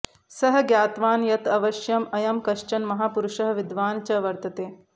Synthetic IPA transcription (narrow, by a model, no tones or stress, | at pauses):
sɐɦɐ̆ɡjaːt̪ʋaːnjɐt̪ɐʋɐʃjɐmɐjɐmkɐʃt͡ʃɐnmɐɦaːpuɾuʂɐɦɐ̆ʋid̪ʋaːnt͡ʃɐʋɐɾt̪ɐt̪eː